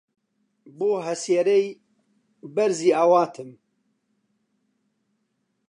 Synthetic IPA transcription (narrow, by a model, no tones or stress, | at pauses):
boːɦɛseːɾej | bɛɾziːawaːt̪ʰɨm